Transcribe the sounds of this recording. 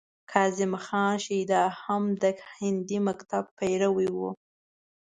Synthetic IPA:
kʰɑzɪmxɑnʃijd̪ɑhamd̪əkhɪnd̪imakt̪abpajɾawiwu

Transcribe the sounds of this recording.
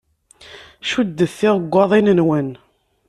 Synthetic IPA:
ʃud̪ːəθːɪʁəɡʷːɑðˤinənwən

